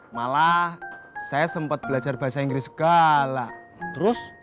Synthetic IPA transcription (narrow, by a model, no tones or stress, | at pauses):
mala | sajasəmpət̪̚b̥əlḁd͡ʒarb̥asaiŋɡɾisə̥ɡ̥ala | t̪əɾʊs